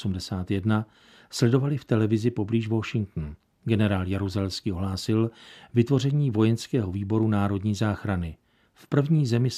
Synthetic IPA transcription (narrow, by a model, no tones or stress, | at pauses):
sumdɛsaːt̪jɛdna | slɛdo̞valɪft̪ɛlɛvɪzɪpo̞bliːʒvo̞ʃɪŋkt̪n̩ | ɡɛnɛɾaːljaɾuzɛlɛskiːoɦlaːsɪlvɪt̪vo̞rɛɲiːvo̞jɛnskɛːɦo̞viːbo̞ɾunaːɾo̞dɲiːzaːxɾanɪ | fpr̩vɲiːzɛmɪ